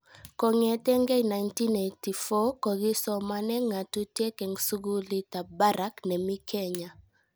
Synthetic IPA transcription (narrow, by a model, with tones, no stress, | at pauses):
kɔ˨ŋɛ˨tɛ˦ŋɡɛ˦jna˨jnti˦ne˨jti˨fɔ˦kɔ˨ɡi˦sɔ˨ma˦nɛ˦ŋa˨tu˦tje˦kɛ˨ŋsu˦ɡu˦li˦ta˨ba˦ɾa˦knɛ˨mi˦kʰɛ˦ɲa˨